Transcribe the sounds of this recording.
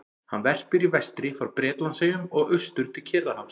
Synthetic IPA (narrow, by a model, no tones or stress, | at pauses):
hanvɛr̥pɪɾivɛst̪ɾɪfaɾpɾɛːt̪lansejʏmɔɣʏst̪ʏɾ̥t̪ʰɪlcʰɛɾðahams